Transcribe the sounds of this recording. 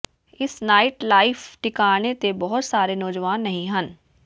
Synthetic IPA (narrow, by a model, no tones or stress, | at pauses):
ɪsnaːɪʈlaːɪfʰʈɪkaːnet̪ebɔɦʊt̪saːɾenɔːd͡ʒʋaːnːɐɦĩɦən